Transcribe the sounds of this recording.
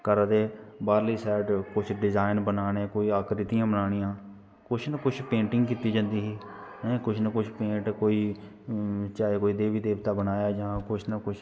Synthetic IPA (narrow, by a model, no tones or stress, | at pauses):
kəɾd̪eːbaːɾliːsɛːʈkʊt͡ʃʰɖɪzaːɪnbənaːɽeːkoːiːaːkɾɪt̪ijãːbənaːɽ̃ɪjãː | kʊt͡ʃʰnəkʊt͡ʃʰpẽːɳʈɪŋɡkiːt̪iːd͡ʒãːnd̪iːɦiː | ɛːkʊt͡ʃʰnəkʊt͡ʃʰpẽːʈkoːiː | t͡ʃaːeːkoːiːd̪eːʋiːd̪eːʋt̪aːbənaːjaːd͡ʒãːkʊt͡ʃʰnəkʊt͡ʃʰ